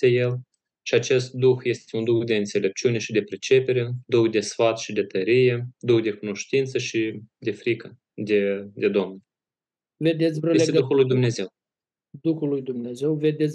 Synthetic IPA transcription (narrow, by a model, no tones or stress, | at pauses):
eje̞l | ʃiat͡ʃe̞st̪̚d̪uxje̞st̪eund̪uxd̪e̞ɨnt̪se̞le̞p̚t͡ʃiune̞ʃid̪e̞pɾet͡ʃe̞pe̞ɾe̞d̪uxd̪e̞sfat̪ʃid̪e̞t̪əɾije̞d̪uxd̪e̞kuno̞ʃt̪int̪səʃid̪e̞fɾikə | d̪ed̪e̞d̪omn | ved̪et̪sʲɾojeet̪ed̪uxulːujd̪umne̞ze̞w | d̪uxulujd̪umneze̞wved̪et̪ʲ